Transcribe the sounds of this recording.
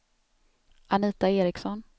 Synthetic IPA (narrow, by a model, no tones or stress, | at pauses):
aniːt̪aeːɾɪksɔn